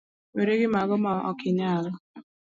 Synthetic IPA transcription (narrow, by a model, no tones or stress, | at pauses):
meɾeɣɪmaɣʊmaɔ̰kɪɲaaɣʊ